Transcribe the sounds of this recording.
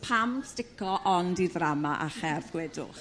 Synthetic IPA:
pʰamstɪkɔʔɔndiðramaʔaχɛrvɡ̥wɛdʊ̰χ

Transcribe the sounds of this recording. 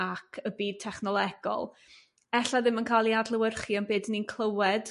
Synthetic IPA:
akʰəbiːd̚tʰɛχnɔlˠɛɡ̥ɔ̰lˠ | ɛɬaðɪmənkʰalˠiadlˠəwərχiɔnbeːdninkʰlˠəwɛd̥

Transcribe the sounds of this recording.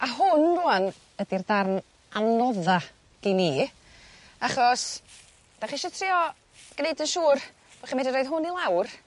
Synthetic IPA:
aɦʊnruan | ədirdarn | anɔða | ɡ̥iniː | aχɔs | d̥aχiʃɔtʰrɪːɔ | ɡ̥nejdənʃuːr | vaχimɛdənɾoːjð̥ɦʊnilˠawr

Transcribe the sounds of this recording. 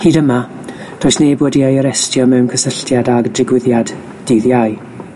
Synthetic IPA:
hiːdəma | d̥oːɨsneːboːdiajəɾɛstjɔmɛwnkʰəsəɬtjadaɡdɪɡwɪðjad | d̥ɪðjaɨ

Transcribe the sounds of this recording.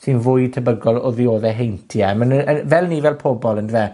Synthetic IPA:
sɪnvʊːjtʰəbəɡɔlˠɔðioːðɛɦejntʰiɛmənəvɛlˠniːvɛlˠpʰobɔlˠəndvɛ

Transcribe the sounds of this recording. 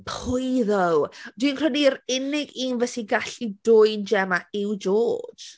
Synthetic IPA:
pʰʊjðɔwd̥winkrɛniɾɪnɪɡiːnvɛsiɡaɬidʊjnd͡ʒɛmaɪwd͡ʒo̥ːd͡ʒ

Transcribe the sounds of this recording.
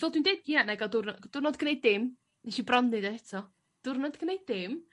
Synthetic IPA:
vɛlˠdwundejdianaɡadʊrnɔd̥ʊrnɔdɡ̥nejd̚ːɪm | niʃibrɔnːɪdaɛtʰɔ | d̥ʊrnɔdɡənejd̚ːɪm

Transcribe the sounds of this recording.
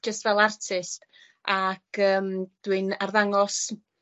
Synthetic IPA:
d͡ʒəstvɛlˠartʰɪst | akəːmd̥wɨnarðaŋɔs

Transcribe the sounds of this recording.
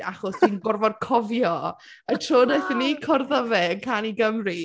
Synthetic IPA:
aχɔsinɡʊrvɔrkʰɔvjɔ | ətʰroːdajθinːikʰɔrðəvɛəŋkʰaniɡəmri

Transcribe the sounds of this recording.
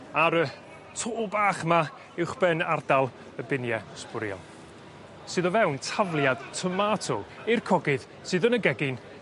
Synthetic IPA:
aɾə | tʰoːbaːχma | ɪwχb̥ɛnardalˠ | əbɪnjɛspʊɾjɔ̰lˠ | sɨːðɔvɛwntʰavlˠjad̥tʰəmatʰɔɪrkʰɔɡɨð | sɨːðənəɡɛɡɪn

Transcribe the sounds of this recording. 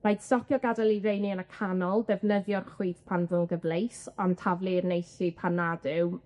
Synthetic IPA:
majdsɔkʰjɔɡadalˠiɾejniənəkʰanɔlˠdɛvnəðjɔrχwiːθpʰanvʊŋɡəvlejsɔntʰavlˠirnejsipʰanːadɪw

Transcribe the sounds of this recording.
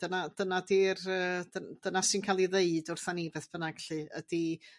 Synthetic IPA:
d̥ənad̥ənadirəːdənd̥ənasinkʰalˠiðeɨdʊrθanivɛθb̥ənaɡɬɨə̰d̥i

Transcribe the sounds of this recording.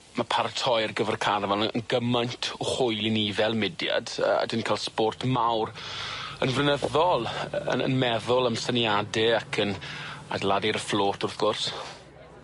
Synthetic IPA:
mapʰartʰɔjərɡəvərkʰarvɛləə̰nɡəmajntʰɔχʊjɪnivɛlˠmɪdja̰də̰a̰dənkʰalˠspoːrtʰmawrənvrənəðɔlˠə̰ə̰nmɛðʊlˠəmsənjadɪakʰəna̰dlˠadiɾəfloːtʰʊrθɡ̥ʊrs

